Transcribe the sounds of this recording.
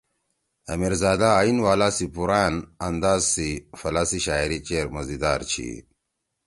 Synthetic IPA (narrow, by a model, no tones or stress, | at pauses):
ɐ̰miɾzaːd̪aːinwaːlaːsipuɾaːnɐnd̪aːzsifɐlasiɕaːiɾit͡ɕeːɾmɐzid̪aːɾt͡ɕʰḭ